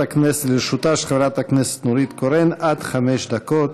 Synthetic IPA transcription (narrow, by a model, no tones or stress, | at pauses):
aknesetliɾʃut̪aʃχevɾat̪haknese̥t̪nuɾit̪koɾenad̪χameʃd̪akot̪